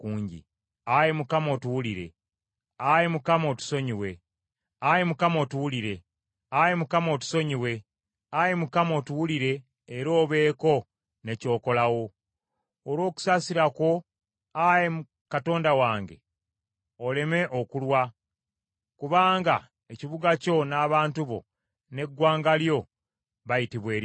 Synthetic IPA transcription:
kuːɲɟḭ | ajemukamo̞ːtuwuliɾe̞̰ | ajemukamao̞tu̥so̞ɲiwe̞ | ajemukamo̞ːtuwuliɾe̞ | ajemukamo̞ːtu̥so̞ɲiwe̞ | ajemukamo̞ːtuwuliɾe̞ː | ɾo̞ːβe̞ːko̞ | ne̞co̞ːko̞lawo̞ː | ɾwo̞ːku̥saːsiɾako̞ | ajem | kato̞ːndawaːŋɡe̞̰ | ole̞me̞ʔokulwa | kuβaːŋɡa | e̞ciβuɡaco̞naːβaːntuβo̞̰ | ne̞ɡwaːŋɡaljo̞ | βajitiβwe̞ːɾ

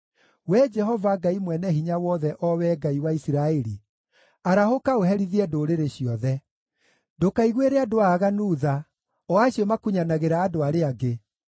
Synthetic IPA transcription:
wɛd͡ʒɛɦɔvaɡaimwɛnɛɦiɲawɔðɛʔɔwɛɡaiwaisiɾaeɾi | aɾahokaoɦɛɾiðiɛdoɾeɾeɕiɔðɛ | dokaiɣweɾeadoaɣanuːða | ɔaɕiɔmakuɲanaɣeɾaːdoaɾeaɡe

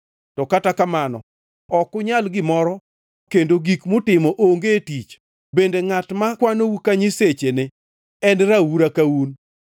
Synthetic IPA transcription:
tɔkatakamanɔ̰ | ɔkʊɲalɡɪmɔɾɔ | kendoɡikmʊtɪmɔʔoŋɡetit͡ʃ | bendeŋatmakwanowukaɲiset͡ʃenɪ | ɛnɾawuɾakawun

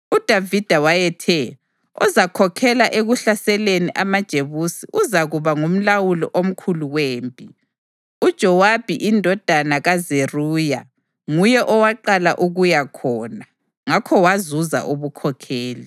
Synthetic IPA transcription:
ud̥ʱavid̥ʱawajɛtʰɛ | ɔzakʰɔkʰɛlaʔeɣuɬasɛleniʔamad̥ʒ̥ʱeβusḭʔuzaɣuβaŋum̩lawulɔ̰ʔom̩kʰuluweːmpʼi | ud̥ʒ̥ʱɔwab̥ʱiʔindʱɔd̥ʱanaɣazeruːja | ŋujɛʔɔwaǃalaʔuɣujakʰɔːna | ŋakʰɔwazuza̰ʔuβukʰɔkʰɛːli

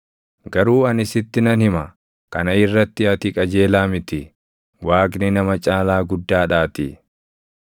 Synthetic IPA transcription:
ɡɐɾuːɐnɪsɪt̪ːɪnɐnhɪmɐ | kɐnɐɪrːɐt̪ːɪɐt̪ɪkʼɐd͡ʒe̞ːlaːmɪt̪ɪ | waːknɪnɐmɐt͡ʃʼaːlaːɡʊd̪ːaːᶑaːt̪ɪ

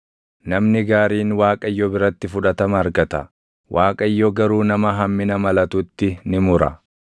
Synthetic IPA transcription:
nɐmnɪɡaːɾiːnwaːkʼɐɪjːɔbɪɾɐt̪ːɪfʊᶑɐt̪ɐmɐːɾɡɐt̪ɐ | wʔaːkʼɐɪjːɔɡɐɾuːnɐmɐɦɐmːɪnɐmɐlɐt̪ʊt̪ːɪnɪmʊɾɐ̰

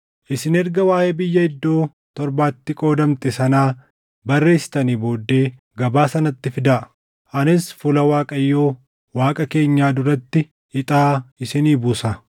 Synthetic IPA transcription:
ʔɪsɪnɛɾɡɐwaːheːbɪjːɐɪd̪ːo̞ː | t̪ɔɾbaːt̪ːɪkʼo̞ːd̪ɐmt̪ɛsɐnaː | bɐrːe̞ːsːɪ̥t̪ɐniːbo̞ːd̪ːe̞ː | ɡɐbaːsɐnɐt̪ːɪfɪd̪ɐʔ | ʔɐnɪsfʊlɐwaːkʼɐjːo̞ː | waːkʼɐke̞ːɲːaːd̪ʊɾɐt̪ːɪ | ɪt̪ʼaːɪsɪniːbuːsɐ

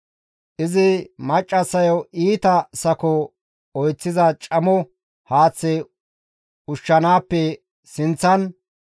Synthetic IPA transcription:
ʔɪzɪmɐt͡ʃʼːɐsɐjɔʔiːt̪ɐsɐkɔ | ɔjt͡sːɪzɐt͡ʃʼɐmɔ | haːt͡sːɛ | ʊʃːɐnaːpːɛ | sɪnt͡sːɐn

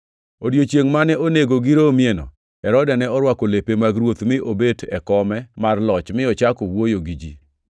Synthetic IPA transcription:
odjot͡ʃeŋmanɛʔoneɡoɡiɾomjenɔ̰ | ɛɾɔdɛnɛɔɾwakolepemaɡɾwot̪mɪʔobedɛkɔmɛmarlɔt͡ʃmɪɔt͡ʃakowojoɡid͡ʒḭ

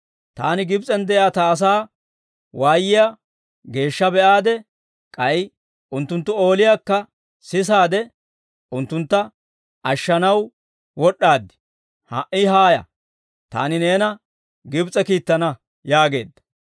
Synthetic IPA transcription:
t̪a̰ːnɪɡɪbt͡sʼɛnd̪ɛʔjaːt̪ɐːs̬aː | waːjːɪja | ɡe̞ːʃːɐbɛʔaːd̪ɛ | kʼɐj | ʊnt̪ːʊnt̪ːʊo̞ːlɪjaːkːɐ | sɪs̬aːd̪ɛ | ʔʊnt̪ːʊnt̪ːɐ | ʔɐʃːɐnɐw | wɔɗːaːd̪ːɪ̥ | hɐ̰ʔɪɦaːjɐ̰ | t̪a̰ːnɪne̞ːnɐ | ɡɪbt͡sʼɛkiːt̪ːɐnɐ | jaːɡe̞̰ːd̪ːɐ̥

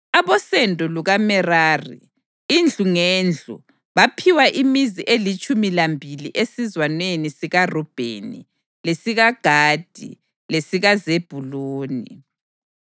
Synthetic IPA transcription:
aβɔsɛndʱʼɔluɣamɛraːrḭ | ind͡ɮʱuŋeːnd͡ɮʱṵ | βapʰiwaʔimiziʔelit͡ʃʼumilambʱilḭʔesizwanwenisiɣarɔb̥ʱḛnḭ | lesiɣaɡ̥ʱaːd̥ʱḭ | lesiɣazeb̥ʱuloːni

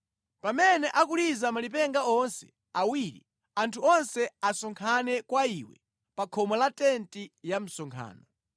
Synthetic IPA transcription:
pamɛnɛʔak̬ulizamalipɛŋɡaɔnsɛ | awiːɾḭ | antʰuɔnsɛasɔŋkʰanɛkwaiwɛ̰ | pakʰɔmɔlatɛntijam̩sɔŋkʰa̰ːnɔ

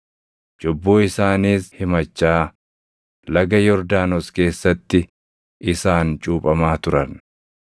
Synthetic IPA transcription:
d͡ʒɔbːoːɪsaːniːshɪmɐt͡ʃːaː | lɐɡɐjɔɾd̪aːnɔske̞ːsːɐt̪ːɪ | ʔɪsaːnt͡ʃʼuːpʼɐmaːt̪ʊɾɐn

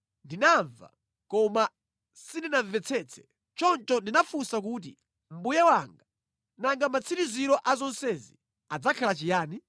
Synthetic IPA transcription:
ndinaɱva̰ | kɔma | sininaɱvɛt͡sʰɛt͡sʰɛ̥ | t͡ʃɔntɔndinafusak̬uːt̬ḭ | m̩bujawaŋɡa | naŋɡamat͡sʰiɾiziɾɔʔazɔnsɛzi | ad͡zakʰalat͡ʃijaːni

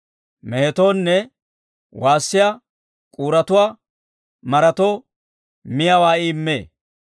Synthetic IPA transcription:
meːt̪oːnːɛ | wʔaːsːɪja | kʼuːɾɐt̪ʊwaː | mɐɾɐt̪oː | mɪjɐwaːɪːmːeː

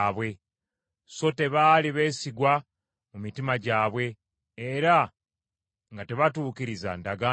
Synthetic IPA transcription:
βwe̞ | so̞te̞βaːliβe̞ːsiɡwa | mumitimaɟaːβwe̞ː | ɾa | ŋɡate̞βatuːkiɾiza̰ndaɡa

